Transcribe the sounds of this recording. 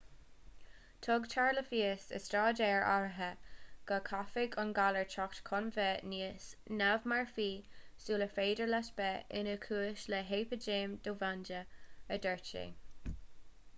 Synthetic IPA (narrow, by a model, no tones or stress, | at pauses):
t̪ʰɔɡt͡ʃʰaɹləfiːəsə̰stɹaːdɛːɹʔa̰ɹəɦəɡ̥əkʰafɪɡənɡaləɹt͡ʃʰɔktkʰɔnvɛniːəsnavmaɹfiːsuːləfeːdəɹlɛtb̥ɛʔɪ̰nəkʰuːəʃlɛɦeːpəd͡ʒeːmd̥̪oːvandəədəɹt͡ʃḛ